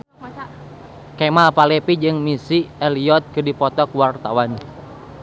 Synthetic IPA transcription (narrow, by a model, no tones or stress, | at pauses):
kɛmapalɛpid͡ʒɨŋmisiɛliɔt̪̚kɨrdipɔt̪ɔkuwart̪awan